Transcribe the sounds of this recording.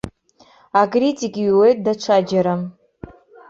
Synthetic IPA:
akʼritʲʼikʼwe̞jt̚ʼdat͡ʃʷʰad͡ʒaɾa

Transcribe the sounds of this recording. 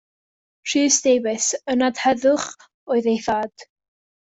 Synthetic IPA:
r̥iːsdejbɪsənadhɛðʊχ | oɨðejθad̥

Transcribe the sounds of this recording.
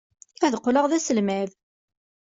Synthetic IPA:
æðəqːləʁðæsəlmæð

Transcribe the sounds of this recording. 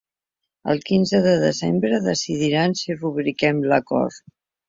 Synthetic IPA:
ə̰lˠkinzəðəðəzḛmbɾəðəsiðiɾansiruβɾikɛmləkɔ̰ɾt̪

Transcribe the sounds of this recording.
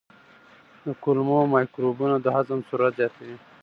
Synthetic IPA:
d̪əkulmomajkɾobunad̪əɦazəmsuɾat̪zjɑt̪ʰawi

